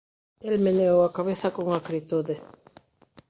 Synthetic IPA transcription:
elmenewakaβ̞eθakoŋakɾit̪uðe

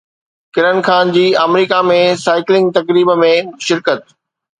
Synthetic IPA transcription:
kɪɾənxaːnd͡ʑiːɐmɾiːkamẽsaːɪklɪ̃ŋɡ̚t̪ɐkɾiːbmẽʃɪɾkət̪̚

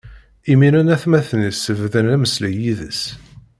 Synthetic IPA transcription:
iminænæθmæθnisːəvðənæməslæjiðəs

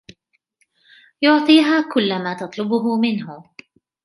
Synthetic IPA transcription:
jʊʕt̪ˤiːɦaːkʊlːamaːt̪ɑt̪ˤlʊbʊɦʊmɪnɦʊ

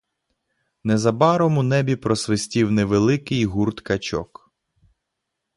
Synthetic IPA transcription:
nɛzɐbɑɾɔmʊnɛbʲipɾɔsʋɪsʲtʲiwnɛʋelˠɪkɪjɦurt̪kɐt͡ʃɔ̰k

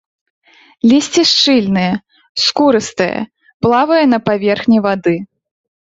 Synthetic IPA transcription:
lʲisʲt͡sʲiʂt͡ʂɨlʲnɨjɛ | skuɾɨst̪ɐjɐ̰ | plˠavɐjɐn̪ɐpavʲɛrxnʲivad̪ɨ

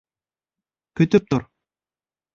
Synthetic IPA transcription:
kɵt̪ɵp̚t̪ʊɾ

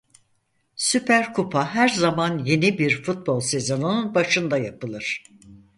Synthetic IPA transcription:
sypʰæɾkʰupʰaɦæɾzamanje̞nibiɾfut̪̚bo̞lˠse̞zo̞nununbaʃɯnd̪ajapɯlˠɯɾ̥

